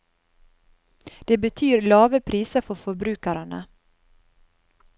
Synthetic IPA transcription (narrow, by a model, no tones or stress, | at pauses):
d̪̥ɛbɛt̪ʰyːɾlɑːvəpʰɾiːsəɾfœɾfœɾbɾʉ̟ːkaɾəɳa̰